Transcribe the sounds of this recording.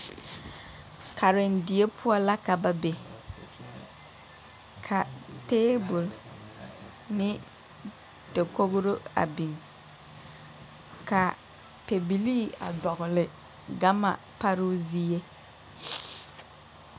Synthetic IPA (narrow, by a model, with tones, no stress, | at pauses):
kʰa˨ɾɪ˨ndɪ˨e˦pʰʊ˦ɔ˦la˦ka˨ba˨be˨ | kʰa˨teː˦bʊ˨l | nɪ˦ | d̥e˨ko˦ɣɾo˦a̰˨bi˨ŋ | ka˨ | pe˨bi˨liː˦a̰˨dɔ˨ɣʊ˨lɪ˨ | ɡa˦ma̰˨ | pa˦ɾo˦zi˦je˦